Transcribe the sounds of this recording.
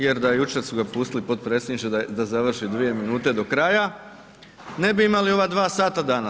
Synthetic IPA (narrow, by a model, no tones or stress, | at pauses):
je̞ɾd̪ajut͡ʃe̞ɾsuɡapuːst̪ilipo̞t̪̚pɾe̞ːsʲed̪nit͡ʃ̪ead̪azaʋr̩ʃid̪ʋije̞minuːt̪e̞d̪o̞kɾaja | ne̞biimalio̞ʋad̪ʋaːsaːt̪ad̪aːna